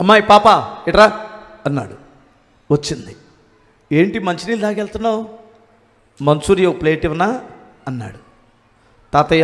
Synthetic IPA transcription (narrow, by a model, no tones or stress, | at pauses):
ɐmːaːjpaːpaiʈɾa | ɐnːa̰ːɽu | ʋɐt͡ʃːind̪i | eːɳʈimɐɲt͡ʃiniːllaːkelt̪unːaw | mɐnsuːɾijopleːʈiʋɐna | ɐnːa̰ːɽu | t̪aːt̪ɐj